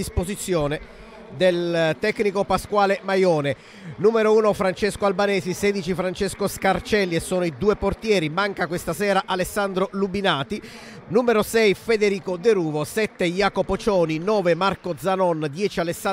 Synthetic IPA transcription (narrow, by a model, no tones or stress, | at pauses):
ispozit̪sːjoːne | d̪elt̪ɛkːnikopaskwaːlemajɔːne | nuːmeɾouːnofɾant͡ʃeskoalbanɛːzisɛːd̪it͡ʃifɾant͡ʃeskoskart͡ʃɛlːiesːoːnoid̪uːeport̪jɛːɾimaŋkakwest̪asɛːɾaʔalesːand̪ɾolubinaːt̪i | nuːmeɾosɛjfed̪eɾiːkod̪eɾuːvosɛt̪ːejaːkopot͡ʃɔːninɔːvemarkod̪zanɔnd̪jɛːt͡ʃialesa